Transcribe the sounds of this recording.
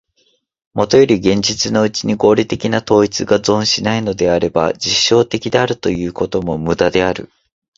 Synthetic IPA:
mo̞t̪o̞jo̞ɾʲiɡẽ̞ɲ̟d͡ʑit͡sɨno̞ɯ̟t͡ɕiɲ̟iɡo̞ːɾʲit̪e̞kʲinat̪o̞ːit͡sɨɡazõ̞ɰ̃ɕinaino̞d̪e̞aɾe̞ba̰d͡ʑiɕːo̞ːt̪e̞kʲid̪e̞aɾɯ̟t̪o̞jɯ̟ːko̞t̪o̞mo̞mɯ̟d̪ad̪e̞aɾɯ̟̰

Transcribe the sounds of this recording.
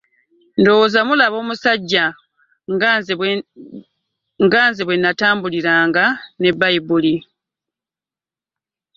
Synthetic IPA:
ndo̞wozamulaβo̞ːmusaɟːa | ŋɡaːnzeβwe̞nːataːmbuliɾaːŋɡane̞baibuli

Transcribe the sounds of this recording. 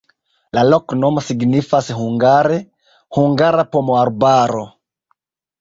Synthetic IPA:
laloknomosiɡnifashuŋɡaɾe | huŋɡaɾapomoaɾbaɾo

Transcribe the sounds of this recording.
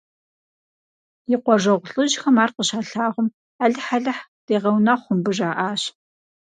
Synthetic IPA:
jɪqʷɔʐɐʁʷʊɬʼɨʒxɐmaːrqəɕaːɬaːʁʷʊm | aːɮɨħaɮɐħd̥eːʁɐwnɐχʷʊmbɨʐaːʔaːɕ

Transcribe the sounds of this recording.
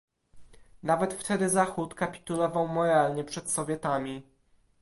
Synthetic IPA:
navɛt̪ft̪ɛd̪ɘzaxut̪kapʲi̥t̪ulɔvawmɔɾalɲɛpʂɛt̪sɔvʲjɛt̪amʲi

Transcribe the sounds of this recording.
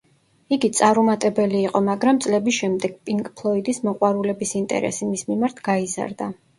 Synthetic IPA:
iɡit̪sʼaɾumat̪ʼɛbɛliːqʼɔmaɡɾamt̪sʼlɛbisʃɛmd̪ɛɡ̥̚pʼiŋkʼpʰlˠɔid̪ismɔqʼwaɾulɛbisint̪ʼɛ̰ɾɛ̰simismimaɾt̪ʰɡ̥aiza̰ɾd̪a

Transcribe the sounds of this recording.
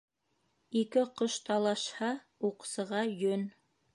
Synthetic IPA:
ikɘqoʃt̪ɑlˠɑʃhɑ | uqsɤ̆ʁɑjɵn

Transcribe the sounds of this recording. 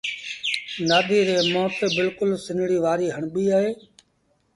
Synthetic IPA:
naːd̪ʱiːɾeːmɔːt̪bɪlkʊlsɪnɽiːʋaːɾiːɦəɳbiːaːɦeː

